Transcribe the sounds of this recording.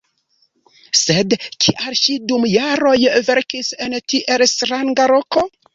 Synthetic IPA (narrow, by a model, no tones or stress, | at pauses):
se̞dkʰiʔaɾʃidumjaɾo̞jve̞ɾkise̞ntiʔe̞lstɾaŋɡaɾo̞ko̞